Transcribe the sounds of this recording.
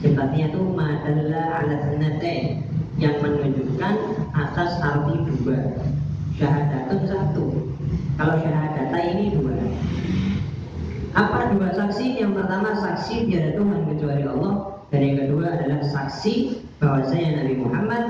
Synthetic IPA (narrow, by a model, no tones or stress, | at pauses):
səmpat̪iɲat̪umadallaa̰lat̪nət̪ɛ | jaŋmənuɲd͡ʒukanat̪astaɾuhniduba | ʃaɦadat̪ansat̪u | kaloʃaɦadat̪ainidua | ʔapadubasaksijaŋpərt̪amasaksid̪iadat̪umanmət̪ɾuaɾiɔlˠːɔh | d̥aɾjaŋkəduaːdalahsaksi | b̥awasaɲanabimuhamːat̪̚